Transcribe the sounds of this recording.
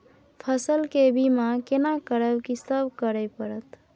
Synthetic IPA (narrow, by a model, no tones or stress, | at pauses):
pʰəsəlkebimãkenakəɾəbkisəbʱkəɾəjpəɾət̪